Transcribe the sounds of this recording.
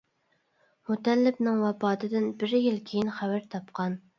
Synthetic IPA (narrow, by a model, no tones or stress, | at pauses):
mut̪ʰɛlːɪpnɪŋwɑpɑːt̪ʰɨd̪ɪnbɪɾjilkʲʰejinχæwæɾt̪ʰɑpqʰɑn